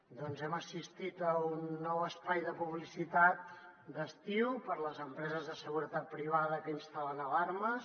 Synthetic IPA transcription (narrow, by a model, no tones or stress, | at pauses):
d̪ɔnzɛməsist̪it̪əunːɔwəspajðəpuβlisit̪at̪ | d̪əst̪iwpəɾləzəmpɾɛzəzðəsəɣuɾət̪at̪̚pɾiβ̞aðəkəinst̪alənəlaɾmə